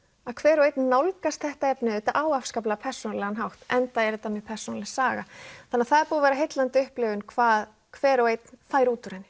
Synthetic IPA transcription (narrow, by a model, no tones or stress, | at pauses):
aðkʰv̥ɛːɾɔejt̪̚nːawlkast̪θɛht̪aɛpnɪʏt̪aʔaːwafskaplapʰɛr̥sɔnalɛɣanɦawht̪ɛnt̪aɛɾɪt̪amjɛpʰɛr̥sɔnalɛsaːɣaθanːaθaðɛɾpuːðavɛːɾaɦejt̪lant̪ɪʏhplɪɣvʏnkʰvaːð | kʰvɛːɾɔejt̪nθajɾuːt̪ʏɾejnɪ̥